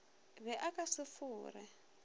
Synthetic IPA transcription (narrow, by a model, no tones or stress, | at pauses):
βɛʔakʼasɪfuːrɛ̰